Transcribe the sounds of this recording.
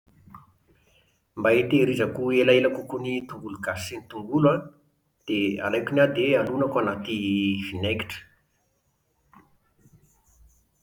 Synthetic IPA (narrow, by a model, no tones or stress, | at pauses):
mbait̪eɾizakuelaelakukunit̪uɡuluɡasenit̪uŋɡula | d̪̥ea̰lajkʲunad̪ealunakwanat̪iv̥ineki̥ʈ͡ʂə̥